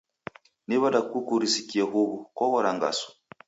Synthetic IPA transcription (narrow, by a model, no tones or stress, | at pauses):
niβadakukuɾisikiaɦuβukɔɣɔɾaŋɡa̰sɔ̥